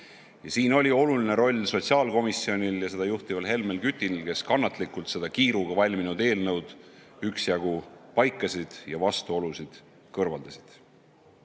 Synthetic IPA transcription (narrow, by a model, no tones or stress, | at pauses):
jɑsiːno̞lʲio̞luline̞ɾo̞lʲso̞t̪siɑːlko̞misːio̞nʲiljɑse̞d̪̥ɑjuht̪ivɑlɦe̞lme̞lkyt̪ʲːˑinilke̞skɑnːɑt̪ˑlikult̪se̞d̪̥ɑkiːɾuɡ̥ɑvɑlʲminud̪e̞ːlnɤwd̪̥yksjɑɡ̥upɑjkːˑɑsʲid̪̥jɑvɑst̪uo̞lusid̪̥ | kɤrvɑ̰ld̪̥ɑsi̥d̪̥